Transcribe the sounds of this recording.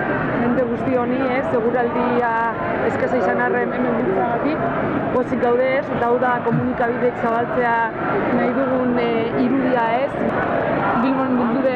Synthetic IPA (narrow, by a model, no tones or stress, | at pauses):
me̞nt̪e̞ɣ̞ust̪io̞nie̞se̞ɣ̞uɾuald̪ia | eskesajsanare̞ne̞me̞mb̪iɾt͡saɣat̪ik | ɡo̞sik̚d̪awðe̞ːsd̪awðako̞munikaβ̞iðeksaβalt͡se̞a | najðuɣ̞uniɾuðiae̞s | bilβonend̪ild̪uðe